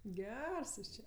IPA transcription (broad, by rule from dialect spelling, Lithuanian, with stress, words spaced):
ˈɡʲɛrs ˈjuːs ˈt͡ʃʲɛ